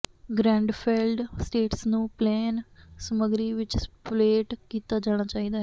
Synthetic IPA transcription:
ɡɾɛ̃ːɳɖpʰɛlɖsʈeːʈsnũːplɛːnsəməɡɾiːʋɪt͡ʃpleːʈkiːt̪aːd͡ʒaːɽ̃aːt͡ʃaːiːd̪aːɦɛ

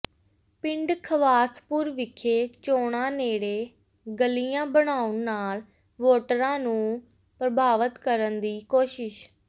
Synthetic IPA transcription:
pɪ̃ɳɖkʰəʋaːspʊɾʋɪkʰeːt͡ʃoːɳãːneːɽeː | ɡəlijãːbəɽaːʊnːaːl | ʋoːʈəɾãːnũː | pɾəbʱaːʋət̪kəɾənd̪iːkoːʃɪʃ

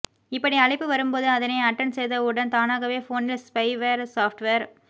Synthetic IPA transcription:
ɪpːɐɽiɐɭɪpːɯʋɐɾɯmpoːðɯɐðɐnɐɪɐʈːɐnsɛjðɐɯɽɐnt̪aːnaːɣɐʋeːfoːnɪlspɐɪʋeːɾsaːfʈʋeːɾ

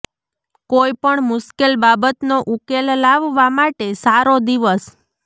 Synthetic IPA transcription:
koipəɳmʊʃkelbabət̪noʔukellaʋːamaʈesaɾod̪iʋəs

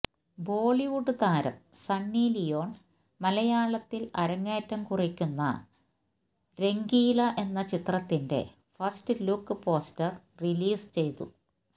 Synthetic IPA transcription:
bo̞ːɭiʋuɖɨt̪aːɾɐ̰msɐnːiːlijo̞ːɳ | mɐlɐjaːɭɐt̪ːilɐ̰ɾɐŋːeːtːɐmkurikʲːunːɐ̰ | ɾe̞ŋɡiːlɐʔe̞nːɐt͡ɕit̪rɐt̪ːinde̞̰ | fɐstɨlukːɨpo̞ːstɐr | riliːst͡ɕe̞jt̪u

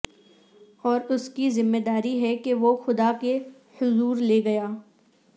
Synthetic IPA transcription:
ɔːɾʊskizɪmːed̪aːɾiɦɛkeʋoxʊd̪ake | hʊzuːɾleːɡɐjaː

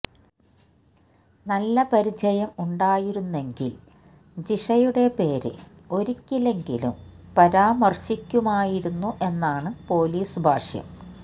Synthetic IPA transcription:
nɐlːɐpɐɾid͡ʑɐjɐmuɳɖaːjiɾunːe̞ŋɡḭl | d͡ʑiʂɐjuɽe̞pe̞ːɾɨ̰ | o̞ɾikʲːile̞ŋɡilṵmpɐɾaːmɐrɕikʲːumaːjiɾunːuʔe̞nːaːɳɨpo̞ːliːsbʱaːʂjɐ̰m

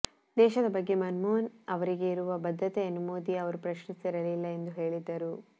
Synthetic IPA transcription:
d̪ɛːʃɐd̪ɐbɐɡːe̞mɐnmoːnɐʋɐɾiɡe̞iɾuʋɐbɐd̪ʱːɐt̪eɐnumoːd̪iɐʋɐɾupɾɐʃnisiɾɐlilːɐe̞nd̪uɦe̞ːɭid̪ːɐɾu

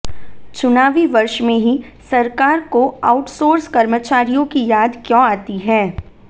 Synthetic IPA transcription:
t͡ʃʊnaːʋiʋɐɾʃmẽɦisɐɾkaːɾkoaːʊʈsoːɾskɐɾmət͡ʃaːɾijõkijaːd̪kjõaːt̪iɦɛː

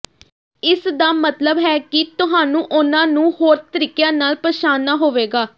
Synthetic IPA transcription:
ɪsd̪aːmət̪ləbɦɛːkɪt̪ʊɦaːnũːʔʊnãːnũːhoːɾt̪əɾiːkjãːnaːlpəʃaːnːaːɦoːʋeːɡaː

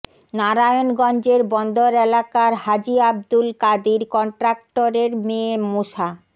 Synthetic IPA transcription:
naɾajonɡɔnd͡ʑeɾbɔnd̪ʱoɾɛlakaɾɦad͡ʑiab̚d̪ulkad̪iɾkɔɳʈɾak̚ʈoɾeɾmẽmoʃa

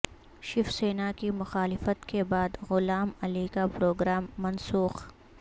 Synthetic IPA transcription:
ʃɪfseːnakimʊxaːlɪfət̪kebaːd̪ɣʊlaːmɐlikapɾoːɡɾaːmːɐnsuːx

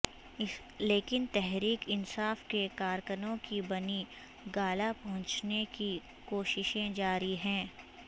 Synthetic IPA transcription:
leːkɪnt̪ɛɦɾiːkɪnsaːfkekaːɾkənõkibɐni | ɡaːlapɐɦʊ̃nt͡ʃneki | koːʃɪʃẽd͡ʒaːɾiɦɛ̃ː

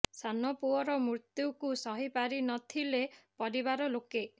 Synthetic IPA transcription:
sanɔpuɔɾɔmɾuɾt̪jukusɔɦipaɾinɔt̪ʰilepɔɾibaɾɔloke

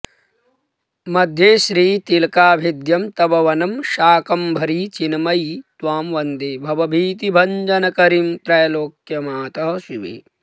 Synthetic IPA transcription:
mɐd̪ʱjeːʃɾiːt̪ilkaːbʱid̪jɐmt̪ɐbɐʋɐnɐmʃaːkɐmbʱɐɾiːt͡ʃinmɐjit̪ʋaːmʋɐnd̪eːbʱɐʋɐbʱiːt̪ibʱɐɲd͡ʒɐnɐkɐɾimt̪ɾɐjɐloːkjɐmaːt̪ɐɦɐʃuʋḭ

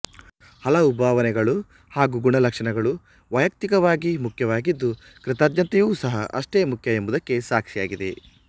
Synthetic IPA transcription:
hɐlɐubʱaːʋɐnɛɡɐɭu | haːɡuɡuɳɐlɐkʂɐɳɐɡɐɭu | ʋɐjɐk̚t̪ikɐʋaːɡimukʰjɐʋaːɡid̪ːu | kɾɪt̪aːd̪jɐnt̪ɐjuːsɐɦɐʔɐ̰ʂʈeːmukʰjɐe̞mbud̪ɐkːe̞saːkʂijaːɡid̪e̞̰

